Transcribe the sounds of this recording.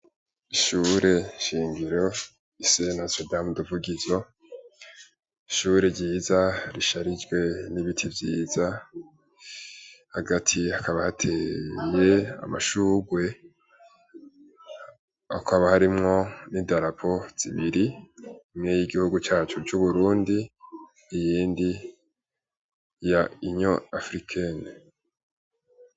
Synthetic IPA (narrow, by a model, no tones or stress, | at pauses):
iʃuːɾe̞ʃiːŋɡiɾo̞ | isenhasedamduvuɡizo̞ | iʃuːɾeɟiːzaɾiʃaɾid͡ʒɡwe̞niβitʰivjiːza | haɡatʰiakaβahatʰe̞ːje̞a̰ma̰ʃuːɡwe̞ | akʰaβahaɾimŋo̞nidaɾapʰo̞z̥iβiɾi | mŋejiɡihuɡut͡ʃaːt͡ʃut͡ʃuβuɾuːndiː | jiːndi | jaiɲoafɾikʰene